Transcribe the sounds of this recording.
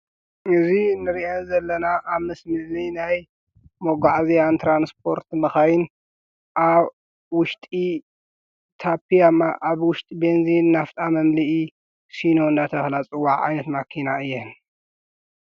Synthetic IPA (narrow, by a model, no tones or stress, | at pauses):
ɨzinɨɾiʔazɐlːɐnaʔaβmɨsmɨllinaj | moɡaʕzjant̪ʰɾanspʰo̞ɾt̪mɐxajin | ʔaβ | wʊʃt̪ʼi | t̪ʰapʰijamaʔaβwʊʃt̪ʼibenzinːaft̪ʼamɐmliʔi | sino̞ɨnd̪at̪ʰɐxlat͡sʼɨwːaʕʕa̰jnɐt̪makʰinaɨjːɛn